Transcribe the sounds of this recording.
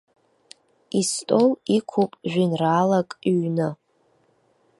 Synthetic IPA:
istʼolikʷʰupʼʒᶣʷinraːlakʼɥnɨ

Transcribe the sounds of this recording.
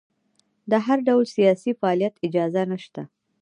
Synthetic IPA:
d̪əɦaɾɖawlsijɑsifaːlijat̪ɪd͡ʒɑzanəʃt̪a

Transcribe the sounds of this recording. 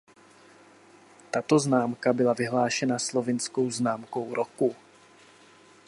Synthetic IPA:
t̪at̪o̞znaːmkabɪlavɪɦlaːʃɛnaslo̞vɪnsko̞wznaːmko̞wɾʔoku

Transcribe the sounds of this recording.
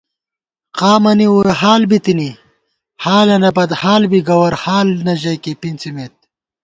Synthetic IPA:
qaːmɐniwuɾeɦaːlbit̪ini | haːlɐnɐbɐd̪haːlbiɡɐwɐɾhaːlnɐʑɐkipint͡simet̪̚

